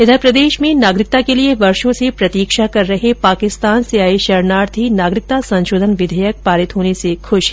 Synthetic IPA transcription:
ɪd̪ʱəɾpɾɐd̪eːʃmẽnaːɡɾɪk̚t̪akelieʋɐɾʃõsepɾɐt̪iːkʃakɐɾːɐɦepaːkɪst̪aːnseaːeʃɐɾnaːɾt̪ʰinaːɡɾɪk̚t̪asɐ̃nʃoːd̪ʱənʋɪd̪ʱəjək̚paːɾɪt̪ɦoːnesekʰʊʃ

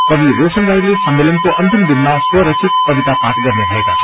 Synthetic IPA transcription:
k̪ʌbiɾosənd͡zaɾilesʌmmelʌnkoʔʌnt̪imd̪inmaswʌɾʌsʰit̪̚kʌbit̪apaʈɡʌrnebʱʌekat͡sʰʌ̥

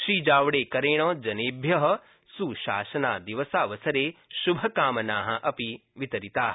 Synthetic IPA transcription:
ʃiːd͡ʒaːʋɽeːkɐɾeːɽ̃ɔ̃ːd͡ʒɐneːbʱjɐɦɐ̆ | suʃaːsɐnaːd̪iʋɐsaːʋɐsɐɾeːʃubʱɐkaːmɐnaːɦɐ̆ʔɐpiʋit̪ɐɾit̪aːɦ

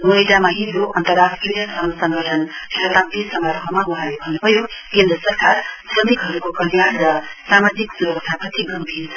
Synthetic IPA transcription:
mojdamaɦidoʔʌnt̪ʌɾasʈɾijʌsʌmsʌŋɡʌʈʰʌnkʰet̪amt̪isʌŋɡʌɾɦʌmaɡuɦaɾebʱʌnːubʱʌjokend̪ɾʌsʌɾkaɾsɾʌmikɦʌɾukokʌljanɾʌsamad͡ziksuɾbʌst̪ʰapʌt̪ʰiɡʱʌmbʱiɾ

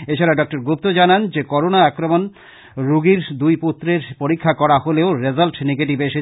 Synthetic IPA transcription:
et͡ɕʰaɾaɖɔk̚ʈoɾɡup̚t̪od͡ʑanand͡ʑekɔɾonaakɾomon | ɾuɡiɾd̪ujput̪ːɾeɾpoɾikʰːakɔɾaholeoɾed͡ʑalʈneɡeʈibeʃe

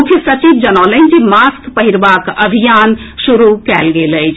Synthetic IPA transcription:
ukʰjəsət͡ʃibd͡ʒənɔlənd͡ʒimaskpəɦiɾbakəbʱijan | ʃuɾukɛlɡeləjt͡ʃʰ

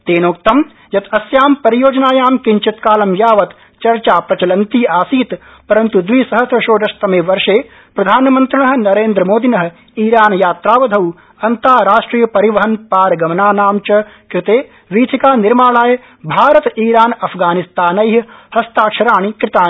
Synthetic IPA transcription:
t̪eːnoːk̚t̪ɐm | jɐt̪ʰɐsjaːmpɐɾijoːd͡ʒnaːjaːmkiɲt͡ʃit̪kaːlɐmjaːʋɐt̪ | t͡ʃɐɾt͡ʃaːpɾɐt͡ʃɐlɐnt̪iːaːsiːt̪ | pɐɾɐnt̪ud̪ʋiːsɐɦɐsjɐʃoːd̪ɐʃt̪ɐmeːʋɐɾʃeː | pɾɐd̪ʱaːnɐmɐ̃nt̪ɾɐɳɐɦnɐɾeːnd̪ɾɐmoːd̪inɐɦ̆ | iːɾaːnjaːt̪ɾaːʋɐd̪ʱɐw | ɐnt̪aːɾaːʃʈɾiːjɐpɐɾiʋɐɦɐnpaːɾɡɐmɐnaːnaːmt͡ʃɐ | kɾɪt̪eː | ʋiːt̪ʰikaːnɪɾmaːɭaːj | bʱaːɾɐt̪iːɾaːnɐpʰɡaːnist̪aːnɐjɦhɐst̪aːkʃɐɾaːɳ̃ikɾɪt̪aː

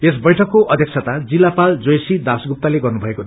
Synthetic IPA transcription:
es̬bʌjʈʰʌkːoʔʌd̪ʱjʌksʰʌt̪ad͡zilːapald͡zojsid̪asɡup̚t̪aleɡʌrnubʱʌeko

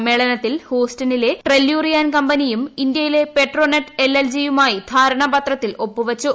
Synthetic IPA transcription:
meɭɐnɐt̪ːilhoːstɐnile̞ʈrelːjuːrijaːnkɐmbɐnijumind̪jɐjile̞pe̞ʈro̞ːnɐʈːeleld͡ʑijumaːjid̪ʱaːɾɐɳɐbɐt̪rɐt̪ːilo̞pːuʋɐt͡ɕːu

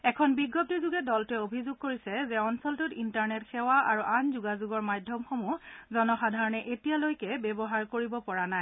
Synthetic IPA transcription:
ɛkʰɔnbiɡːɔp̚tizuɡɛdɔltɛobʱizʊɡ̚koɹisɛzɛɔnsɔltutintaɹnɛtxɛwaʔaɹuʔanzuɡazuɡɔɹmajdʱjɔmxomuzɔnɔxadʱaɹɔnɛʔetijalojkɛbɛbɔɦaɹkoɹibɔpɔɹanaj

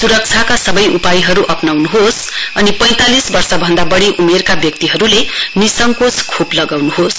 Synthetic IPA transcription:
suɾʌk̚t͡sʰakasʌbʌjʔupajɦʌɾuʔʌpnawnuɦos | ʌnipʌj̃t̪alisbʌrsʌbʱʌnd̪abʌɽiʔumerkabjʌk̚t̪iɦʌɾulenisʌŋkoskʰoplʌɡawnuɦos

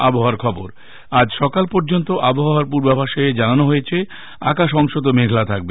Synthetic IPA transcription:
aboɦoaɾkʰɔboɾ | ad͡ʑʃɔkalpɔɾd͡ʑont̪oʔaboɦaɾpuɾbabʱaʃoed͡ʑananoɦojet͡ɕʰe | a̰kaʃɔŋʃot̪omeɡʱlat̪ʰak̚be

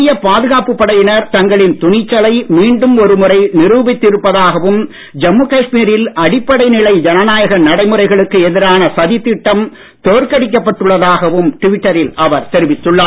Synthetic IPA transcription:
ɪjɐpaːðɯɣaːpːɯpːɐɽɐjɪnɐɾt̪ɐŋɡɐɭɪnt̪ʊnɪt͡ʃːɐlɐɪmiːɳɖɯmɔɾɯmʊrɐɪnɪɾuːbɪt̪ːɪɾɯpːɐðaːɣɐʋɯm | d͡ʒɐmːuːkɐʂmiːɾɪlɐɽɪpːɐɽɐɪnɪlɐɪd͡ʒɛnɐnaːjɐɣɐnɐɽɐɪmɯɾɐɪɣɐɭɯkːɯɛðɪɾaːnɐsɐðɪt̪ːɪʈːɐm | t̪oːɾkɐɽɪk̬ːɐpːɐʈːɯɭːɐðaːɣɐʋɯmʈɪʋɪʈːɐɾɪlʔɐʋɐɾt̪ɛɾɪʋɪt̪ːɯɭːaː

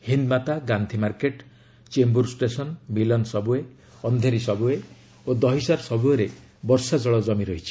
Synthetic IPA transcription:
hind̪mat̪aɡant̪ʰimaɾkeʈ | t͡ʃembuɾsʈesɔnmilɔnsɔbue | ɔnd̪ʱeɾisɔbue | od̪ɔɦisaɾsɔbuɔɾe | bɔɾsad͡ʒɔɭɔd͡ʒɔmiɾɔɦit͡ʃʰi̥

